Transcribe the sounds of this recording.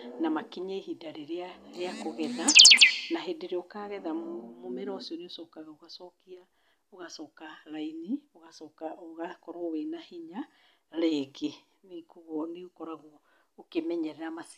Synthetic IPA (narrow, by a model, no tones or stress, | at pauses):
namakiɲeiɦidaɾeɾeaɾeakoɣɛðanaɦedeɾeokaɣɛðammomɛɾɔsioneosɔkaɣaoɣasɔkia | oɣasɔkaɾainioɣasɔkaoɣakɔɾowenahiɲa | ɾeke | mekuɣɔneokɔɾaɣɔ | okemɛɲɛɾɛɾamas